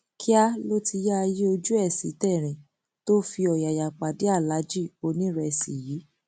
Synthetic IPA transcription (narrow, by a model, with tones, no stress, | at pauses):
kʰi˦a˦lo˦ti˧ja˦a˧ji˦o˧d͡ʒu˦ɛ˦˨sḭ˨˦tɛ˦˨ɾ̃ĩ˨ | to˦fi˧ɔ˨ja˨ja˨k͡pa˨di˨˦a˦˨la˨˦d͡ʒi˦˨o˧nĩ˦ɾɛ˧˨sḭ˨jiː˨˦